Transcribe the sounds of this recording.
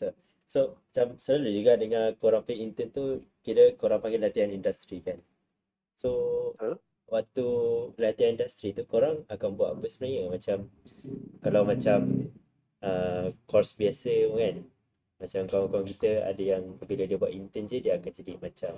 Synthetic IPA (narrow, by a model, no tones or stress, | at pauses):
t̪u | soat͡ʃamsəlalud͡ʒuɡadəŋãkoɾaŋpeʔint̪ənt̪ukiɾəkoɾaŋpaŋɡɪlat̪iɦanindast̪ɾikan | so | wak̚t̪ulat̪iɦanindast̪ɾit̪ukoɾaŋakanbuwa̰ʔpəsəmənaɲəmat͡ʃam | kalawmat͡ʃam | əkɔrsbiasəkan | mat͡ʃamkaakak̬it̪əa̰dəjaŋbilədiəbuaʔint̪ənd͡ʒədiəakand͡ʒadimat͡ʃam